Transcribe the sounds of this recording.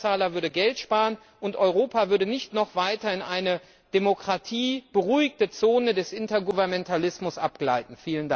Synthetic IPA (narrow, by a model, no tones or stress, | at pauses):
t͡saːlɐvʏɐdəɡɛltʃpaːʁən | ʔʊntʔɔʏʁ̞oːpavʏɐdənɪçtnɔχv̥aɪtɐɪnʔaɪnə | d̥emokʁ̥atʰiːb̥əʁuɪçtət͡soːnədɛsʔɪntɐɡuvɛɐmɛntʰalɪsmʊsʔap̚ɡ̥la̰ɪtn̩fiːlənda